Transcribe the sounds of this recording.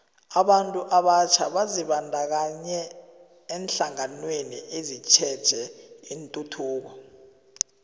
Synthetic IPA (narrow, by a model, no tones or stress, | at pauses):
aɓantʼuʔaɓat͡ʃʰaɓaziɓandʱak̬aɲɛː | nɬaŋanweniʔezit͡ʃʰɛd̥ʒ̥ʱɛintʼutʰuːk̬ɔ